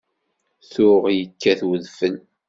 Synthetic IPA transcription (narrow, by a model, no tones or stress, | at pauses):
θʊʁjəkːæθwəðfən